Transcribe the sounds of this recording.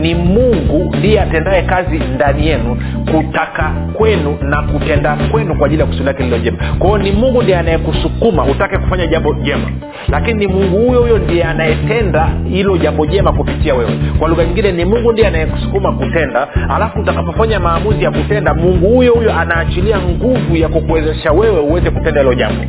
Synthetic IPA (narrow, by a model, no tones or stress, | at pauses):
nimuŋɡundiɛatɛndaɛkazindanijɛnu | kutaka | kwɛnunakutɛndakwɛnukwaʄiliaku̥suilakɛlilɔʄɛmakwaɔnimuŋɡundijɛanajɛkusukumautakɛku̥faɲaʄambɔʄɛma | lakinimuŋɡuhujɔhujɔndijɛanajɛtɛndahilɔʄambɔʄɛmakupitiawɛwɛkwaluɣaɲiŋɡinɛnimuŋɡundijɛanajɛku̥su̥kumakutɛndaa̰lafuːtakapɔfaɲamaːmuzijakutɛndamuŋɡuhujɔhujɔʔanaːt͡ʃiliaŋɡuvujakɔkuwɛzɛʃawɛwɛuwɛzɛkutɛndahilɔʄa̰mbɔ